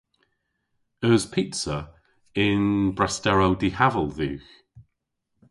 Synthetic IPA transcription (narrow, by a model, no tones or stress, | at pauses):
əːzpʰitsə | ɪnbɹastɛɹowdihavəlˠðʉ̰ːx